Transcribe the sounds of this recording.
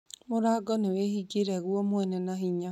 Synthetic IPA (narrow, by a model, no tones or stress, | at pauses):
moɾaɡɔnewehiɡeɾɛɣwɔmwɛnɛnaɦiɲa